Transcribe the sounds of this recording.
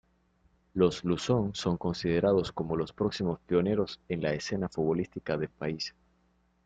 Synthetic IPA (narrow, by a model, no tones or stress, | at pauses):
lo̞zlusoŋso̞ŋko̞nsið̞eɾaðo̞sko̞mo̞lo̞spɾoksimo̞spjo̞ne̞ɾo̞senlaese̞nafuβo̞list̪ikaðelpais